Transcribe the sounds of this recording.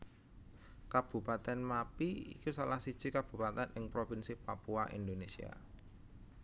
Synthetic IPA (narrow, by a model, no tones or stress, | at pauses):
kab̥ṳpat̪ɛnmapiḭkusalahsid̥ʒ̥ikab̥ṳpat̪ɛnʔɪŋpɾofinsipapuaʔḭnd̪onesḭa̰